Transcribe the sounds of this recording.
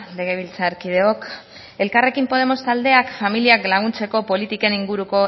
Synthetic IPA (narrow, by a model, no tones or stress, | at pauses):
le̞ɣ̞e̞β̞ilt͡saɾkið̞e̞o̞k | e̞lkare̞kimpo̞ðe̞mo̞st̪ald̪e̞akfamiliaklaɣ̞unt͡se̞ko̞po̞lit̪ikeniŋɡuɾuko̞